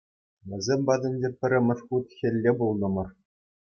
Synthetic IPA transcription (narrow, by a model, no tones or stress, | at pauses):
ʋʲɘ̆zʲemʲbɑd̪ʲɘ̆nʲdʲepʲɘ̆ɾʲɘ̆mʲɘ̆ʂχut̪xʲɘ̆lʲːebulˠnɤ̆mɤ̆r